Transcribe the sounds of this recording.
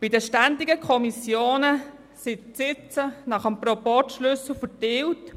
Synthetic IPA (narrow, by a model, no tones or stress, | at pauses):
b̥idəʃtændɪɡəkʰɔmisjoːnə | sɪtsɪt͡sənɑχəmprɔpɔtʃlʏsl̩fətɪwt